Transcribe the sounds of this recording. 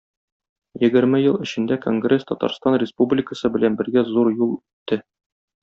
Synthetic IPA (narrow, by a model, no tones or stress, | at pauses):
jɘ̆ɡɘ̆ɾmɘjɤlˠɘ̆ɕɘ̆nd̪ækoŋɡrʲest̪ɒt̪ɑ̰ɾst̪ɑnrʲɪspublʲɪkəsɤbɘ̆lænbɘ̆ɾɡæzuɾjulˠʉt̪ːɘ